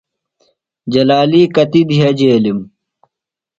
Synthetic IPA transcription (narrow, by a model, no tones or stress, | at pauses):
d͡ʑɐlaːliːkɐt̪id̪iɦɐd͡ʑeːlim